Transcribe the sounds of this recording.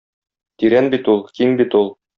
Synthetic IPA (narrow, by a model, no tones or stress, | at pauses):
t̪iɾænbit̪ulˠkimbit̪ulˠ